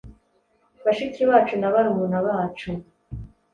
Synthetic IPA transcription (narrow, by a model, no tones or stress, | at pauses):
βaʃiciβaːt͡ʃunaβaɾuβunaβaːt͡ʃu